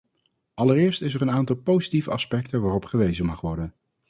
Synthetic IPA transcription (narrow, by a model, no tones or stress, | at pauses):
ɑlərɪːɹstɪsɛɹənaːntɑlˠpowzitivəɑspɛk̚tənʋaːrɔpχəʋejzəmɑχʋɔɹdən